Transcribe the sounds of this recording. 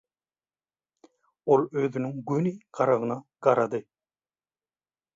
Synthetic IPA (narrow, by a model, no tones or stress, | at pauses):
olˠøðynyŋɡyniqɑɾɑʁɯnɑɡ̥ɑɾɑd̪ɯ